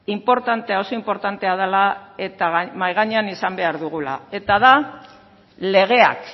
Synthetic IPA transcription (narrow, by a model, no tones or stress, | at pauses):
impo̞ɾt̪ant̪eao̞so̞impo̞ɾt̪ant̪e̞að̞elae̞t̪aɣmajɣ̞aɲeanisambe̞aɾðuɣ̞ula̰e̞t̪aða | le̞ɣ̞e̞a̰k